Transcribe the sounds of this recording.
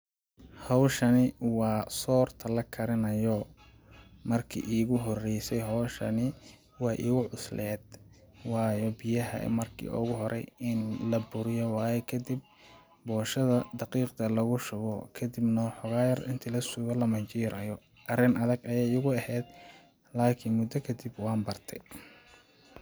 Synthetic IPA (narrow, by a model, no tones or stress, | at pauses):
hɔwʃɐnɪwɑːsɔːrt̪ʰɐlɐkʰɐɾɪnɐjɔ | mɐrkʰḭːʔiːɣʊɦɔrɛjsɛjɦɔːʃɐ̰nɪ | wɑːʔḭːɣʊʕʊslɛːd̪̚ | wɑːjɔbɪjɐɦɐ̰mɐrkʰḭːʔɔ̰ɣʊɦɔɾɛ̰jɪnlɐbʊɾɪjɔwɑːjɛkʰɐd̪ib̚ | bɔːʃɐðɐd̪ɑqiːqt̪ʰɐlɐɣʊʃʊβɔkʰɐd̪ɪbnɐħʊɣaːjɐrɪ̰nt̪ʰɪlɐsʊɣɐlɐmɐt͡ʃiːɾɐjɔ | ʔɐrɪnɐðɐɡɐjɛjʊɣʊɐhɛːd̪ | laːkʰɪnmʊd̪ɐkʰɐd̪ibwɑːnbɐrt̪ʰɛj